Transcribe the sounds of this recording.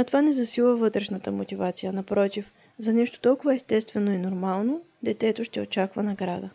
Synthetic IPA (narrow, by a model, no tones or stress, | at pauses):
ɐt̪ovanɛzɐsilˠvəvɤt̪ɾɛʃnət̪əmot̪ʲivat̪sijənɐpɾɔt̪if | zɐnɛʃt̪o̥t̪ɔlˠkʊvɐɛst̪ɛst̪vɛnoɛnoɾmalˠno | d̪ɛt̪ɛt̪oʃt̪ɛot͡ʃakvənɐɡɾad̪ə